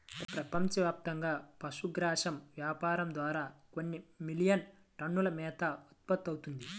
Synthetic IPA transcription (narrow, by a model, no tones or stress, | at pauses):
ɐpɾɐpɐmt͡ʃɐʋjaːp̚t̪ɐŋɡaːpɐʃuɡɾaːʂɐmʋjaːpaːɾɐmd̪ʋaːɾaːko̞nːimilijɐn | ʈɐɳːulɐmɛːt̪ɐut̪̚pɐt̪ːɐwt̪und̪i